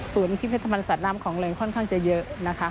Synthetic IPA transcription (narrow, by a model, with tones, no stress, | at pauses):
su˨˩˦ənpʰi˦˥pʰːt̪ʰːbaː˧nsaː˨˩t̪̚naː˦˥mkʰɔː˩˦ŋlɯː˧˩ŋkʰɔ˥˩nkʰaː˥˩ŋt͡ɕa˨˩jɤ˦˥ʔna˦˥kʰa˦˥